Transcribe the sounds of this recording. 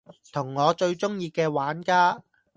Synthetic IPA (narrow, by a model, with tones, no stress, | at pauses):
t̪ʰʊ˨˩ŋːɔː˨˧t͡ʃɵ˧ɥt͡ʃʊ˥ŋjiː˧kɛː˧waː˨˥nkaː˥